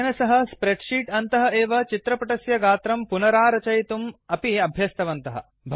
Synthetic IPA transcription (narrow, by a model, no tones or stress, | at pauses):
ɐnɐsɐɦɐ̆spɾeʈʂiːʈɐnt̪ɐɦɐ̆eːʋɐt͡ʃit̪ɾɐpɐʈɐsjɐɡaːt̪ɾɐmpunɐɾaːɾɐt͡ʃɐjt̪umɐpiɐbʱjɐst̪ɐʋɐnt̪ɐɦɐ̰̆ | bʱ